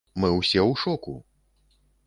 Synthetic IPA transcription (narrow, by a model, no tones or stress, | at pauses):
mɨwsʲɛwʂɔku